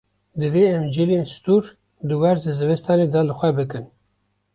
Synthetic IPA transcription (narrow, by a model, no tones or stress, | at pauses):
d̪ɨveːɛmd͡ʒileːnst̪uɾ | d̪ɨwɛɾzɨzɨvɛst̪ɑːned̪ɑlɨxʷɛbɨkɨn